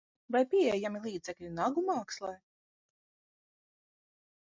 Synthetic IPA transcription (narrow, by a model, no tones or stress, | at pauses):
vajpʲiɛjamilˠiːd̪zɛklʲinaɡumɑːkslˠɛː